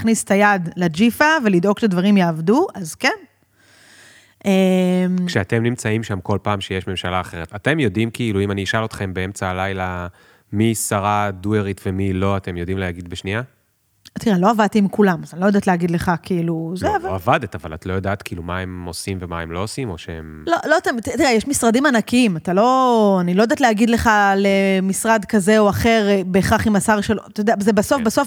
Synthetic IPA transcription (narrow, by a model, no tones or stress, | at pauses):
χnise̥tajadlad͡ʒifavelido̞ɡʃadvaʁimjaːvduazken | ʔemkʃeate̞mnimt͡saimʃamko̞lpaːmʃejeʃme̞mʃalaːχe̞ʁ̞etate̞mjo̞dimkʰiiluimaniːʃalo̞t̪χe̞mbeemt͡saːlajla | misaʁadueʁitvemilo̞ate̞mjo̞dimleaɡid̪̚beʃnia | tiʁelo̞avad̪̚t̪iːmkulamazanilojd̪at̪leaɡid̪le̞χakiiluzeavaavad̪etava̰la̰t̪lo̞jod̪aːt̪kiilumaemo̞simvemaemlo̞osimo̞ʃeḛmloloat̪emt̪it̪iʁejeʃmisʁadimanakiimatalo̞anilo̞jodat̪leaɡid̪leχale̞misʁad̪kaze̞oaχe̞ʁbeːχaχimasaʁʃelt̪odeazebaso̞fbaso̞f